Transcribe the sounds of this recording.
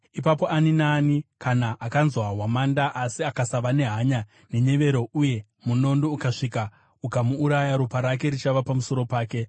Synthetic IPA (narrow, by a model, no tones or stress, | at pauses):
ipapo̞aninaːnikʰanaʔakanzwaɦwamandaʔasiakasaʋane̞ɦaɲa | ne̞ɲe̞ʋe̞ɾo̞uje̞ | muno̞ndoukaʂika | ukamuːɾajaɾupaɾak̬e̞ɾit͡ʃaʋapamuso̞ɾo̞paːke̞